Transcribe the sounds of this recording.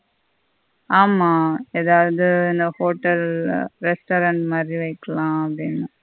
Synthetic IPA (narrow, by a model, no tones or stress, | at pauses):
aːmaːeːðaːʋɐðɯɪnd̪ɐhoːʈːɐlɾɛsʈoːɾɐɳʈmaːd̪ɾiʋɐɪkːɐɭãːɐpɐɽɪnːa